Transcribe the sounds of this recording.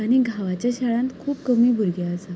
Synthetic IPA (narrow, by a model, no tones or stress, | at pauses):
aɽ̃iɡʱaʋat͡ɕjaɕaɭãnt̪kʰuːpkəmiːbʱuɾɡjaːsa